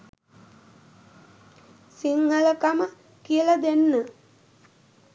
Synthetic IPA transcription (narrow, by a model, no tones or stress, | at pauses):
siŋːələkamə | kijəlad̪enːə